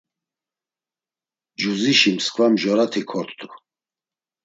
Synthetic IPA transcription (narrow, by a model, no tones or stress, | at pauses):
d͡ʒuziʃimskʰvamʒɔɾat̪ʰikʰɔɾt̪ʰt̪ʰʼu